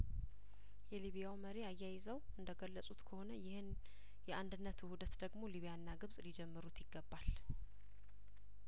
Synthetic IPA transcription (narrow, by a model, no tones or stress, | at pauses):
jɛliβijawməɾeajːajɪzəwʔɨnd̪əɡəlːəsʼut̪kʰəho̞nəjɪhɨn | jɛʔand̪ɨnːət̪hud̪ət̪d̪əɡmo̞liβijanːaɡɨβsʼlid͡ʒɛmːɨɾut̪jɪɡːəbːal